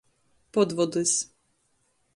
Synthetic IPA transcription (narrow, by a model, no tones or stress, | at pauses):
pɔd̪vɔd̪ɨsʲ